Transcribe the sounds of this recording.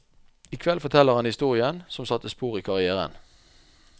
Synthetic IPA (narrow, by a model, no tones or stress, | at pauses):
ɪkʰʋɛlfɔt̪ʰɛlːəʁhɑnhɪst̪uːʁɪənsɔmsɑt̪ːəspuːʁiːkʰɑʁɪæːʁə̰n